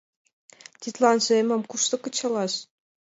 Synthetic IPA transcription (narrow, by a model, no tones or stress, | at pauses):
t̪ʲit̪lˠɑnʒɤ̆emɤ̆mkuʃt̪ɤ̆kɤ̆t͡ɕʰɑ̆lˠɑɕ